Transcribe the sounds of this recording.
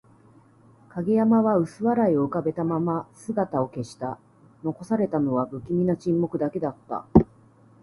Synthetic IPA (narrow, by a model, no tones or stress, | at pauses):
kaɡʲejamaβaɯ̟sɨβaɾaio̞ɯ̟kabe̞t̪amamasɨɡat̪ao̞ke̞ɕi̥t̪a | no̞ko̞saɾe̞t̪ano̞βabɯ̟kʲimʲinat͡ɕĩmːo̞kɯ̟d̪ake̞d̪at̪ːa̰